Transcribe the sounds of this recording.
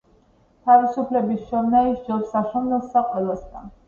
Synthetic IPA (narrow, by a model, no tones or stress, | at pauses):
t̪ʰavisupʰlɛbisʃɔmnaiʃd͡ʒɔsaʃɔmnɛlˠsaqʼwɛlˠast̪ʰan